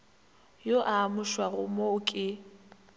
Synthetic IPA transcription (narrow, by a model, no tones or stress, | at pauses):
joʔaːmʊʃwaɣʊ̰moʊkʼɪ